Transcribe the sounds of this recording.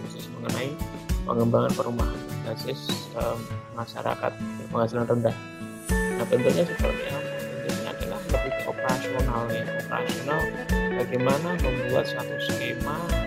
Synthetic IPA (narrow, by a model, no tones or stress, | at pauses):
asɪsməŋənai | pə̰ŋəmbaŋanpəɾuma̰ɦanbasɪsəmaʃa̰ɾa̰ka̰t̪̚pəŋɦasilanrəndah | nabənt̪urɲasət̪ə̰rɲaaənd̪uɲaa̰kiŋa̰hləp̚it̪uʔopəɾasionalnaopəɾa̰sionalbaɡɛmanaməmbua̰t̪̚st̪at̪uskema